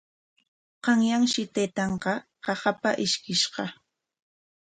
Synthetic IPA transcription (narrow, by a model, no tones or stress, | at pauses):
qɑŋjaŋʃɪt̪ajt̪ɑɴqɑqɑχapaʔɪʃkɪʃqɑ